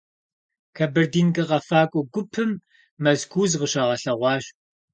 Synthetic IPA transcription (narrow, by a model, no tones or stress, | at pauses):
kʰɐbɐrdiːnɡɨʁɐfaːkʷʼɔɡʷʊpʰɨmː | ɐzɡʰʷuːzʁəɕɐʁɐɬɐʁʷɑːɕʼ